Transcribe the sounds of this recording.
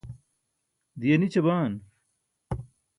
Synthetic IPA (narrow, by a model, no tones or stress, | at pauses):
d̪ijɐnit͡ɕɐbaːn